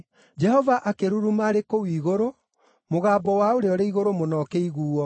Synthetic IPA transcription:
d͡ʒɛhɔvaʔakeɾuɾumaɾekowiːɣoɾo | moɣaːbɔwaoɾeɔɾeiɣoɾomonɔːkɛiɣuːɔ

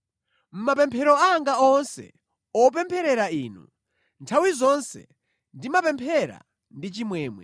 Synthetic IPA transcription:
m̩mapɛmpʰɛɾɔaŋɡaɔnsɛ̰ | ɔp̬ɛmpʰɛɾɛɾaiːnṵ | ntʰawizɔnsɛ̰ | ndimapɛmpʰɛɾa̰ | ndit͡ʃimwɛːmwɛ̰

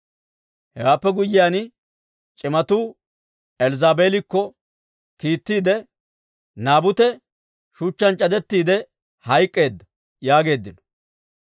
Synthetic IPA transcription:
hɛwaːpːɛɡʊjːɪjaːn | t͡ʃʼɪmɐt̪uː | ɛlzaːbe̞ːlɪkːɔ | kiːt̪ːiːd̪ɛ | naːbʊt̪ɛ | ʃut͡ʃːɐnt͡ʃʼɐd̪ɛt̪ːiːd̪ɛ | hɐjkʼːe̞ːd̪ːɐ | jaːɡe̞ːd̪ːɪnɔ̥

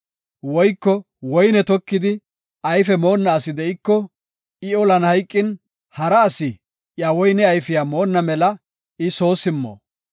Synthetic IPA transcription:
wɔjkːɔ | wɔjnɛt̪ɔkːɪd̪ɪ | ɐjfɛmo̞ːnːɐːsɪd̪ɛɪkːɔ | ɪɔlɐnhɐjkʼːɪn | hɐɾɐːsɪ | jawɔjnɛɐjfɪjaːmo̞ːnːɐmɛlɐ | ɪso̞ːsɪmːo̰ː

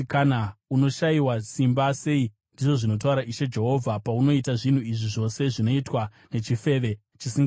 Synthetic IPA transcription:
kanauno̞ʃaiwasimbase̞i | ndiʐo̞ʐino̞t̬auɾaʔiʃe̞d͡ʒe̞ɦo̞ːvʱapauno̞itaʐin̤uiʐiʐo̞se̞ʐino̞itwa | ne̞t͡ʃife̞ːʋe | t͡ʃisiŋɡa

